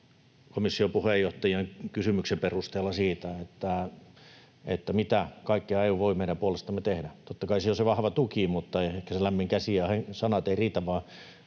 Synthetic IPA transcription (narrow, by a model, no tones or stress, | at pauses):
komisːiopuhejoht̪ɑjɑŋkysymyksemperust̪eːlːɑsiːt̪æet̪ːæ | et̪ːæmit̪ækɑikːiɑeiuːʋʋoimeiɾæmpuolest̪ɑmːet̪ehdæt̪ot̪ːɑkɑisioseʋɑhʋɑt̪ukimut̪ːɑeehkæselæmːiŋkæsiæhesɑnɑt̪eiriːt̪æʋʋɑː